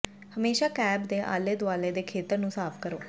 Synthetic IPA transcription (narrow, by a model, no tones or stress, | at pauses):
həmeːʃaːkɛːbd̪eːʔa̰ːleːd̪ʊaːleːd̪eːkʰeːt̪əɾnũːsaːpʰkəɾoː